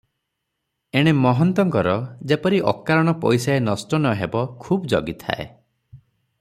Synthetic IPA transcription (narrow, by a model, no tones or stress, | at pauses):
eɽ̃emɔɦɔnt̪ɔŋkɔɾɔd͡ʒepɔɾiʔɔ̰kaɾɔɽ̃ɔpɔ̰jsaenɔsʈɔnɔɦebɔkʰubd͡ʒɔ̰ɡit̪ʰa̰ḛ